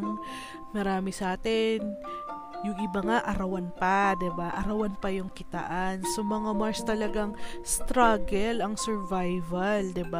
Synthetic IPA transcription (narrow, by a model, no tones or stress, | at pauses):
ŋ | mɐɾaːmɪsɐʔaːt̪ɛn | jʊŋʔɪbaŋaʔɐɾɐwanpɐd̪ɪbaʔɐɾɐwanpɐjʊŋkɪt̪ɐ̰ʔansomɐŋamaɹst̪ɐlɐɡaŋst̪ɾaɡɛlɐŋsɛɹvajvɐld̪ɪba